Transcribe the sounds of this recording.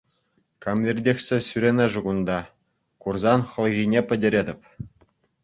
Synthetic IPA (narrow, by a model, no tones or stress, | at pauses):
kɑmʲlʲerʲdʲexʲsʲĕsyɾʲenʲɘʐuɣund̪ɑ | kurzɑnχɤ̆lʲˠɣʲinʲepʲɘ̆dʲĕɾʲedʲɘ̆pʲ